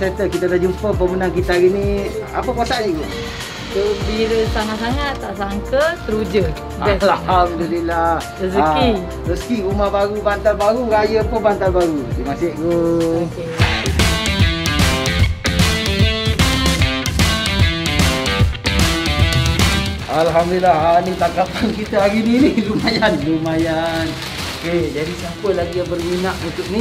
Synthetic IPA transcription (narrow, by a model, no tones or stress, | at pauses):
sɛt̪əkit̪adad͡ʒumpəp̬əmənaŋkit̪aaɾinĩa̰pəkuasaʔniɡo | sobiɾəsaŋaʔsaŋat̪ːaʔsaŋkət̪əɾud͡ʒə | alakamdəlila | əsai | məskiɾumahbaɾubant̪albaɾuɾajəpəbant̪albaɾudimasɪʔɡə | alɦamdulilahanĩt̪akapankit̪əaɡininiɾumajanlumajan | oked͡ʒadisapəlaɡiabərminaʔunt̪ʊʔ̚ni